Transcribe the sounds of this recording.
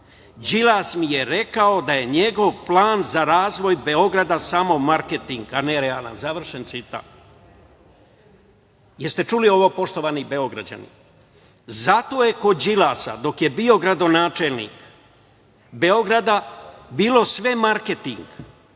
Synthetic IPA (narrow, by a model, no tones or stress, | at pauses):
d͡ʑilaːsmije̞ɾe̞kao̞d̪aje̞ɲe̞ɡo̞ʋplˠaːnzaɾaːzʋo̞jbe̞o̞ɡɾad̪asamo̞maɾke̞t̪iŋɡaneɾea̰ːlˠa̰nzaʋr̩ʃent̪sit̪a̰t̪ | jeɾst̪e̞t͡ʃulio̞ʋo̞po̞ʃt̪o̞ʋanibe̞o̞ɡɾa̰d͡ʑa̰nḭ | zat̪oje̞ko̞d͡ʑilaːsa̰d̪o̞kje̞bio̞ɡɾad̪o̞naːt͡ʃelnḭk | be̞o̞ɡɾad̪abiːlo̞sʋe̞maɾke̞t̪iŋɡ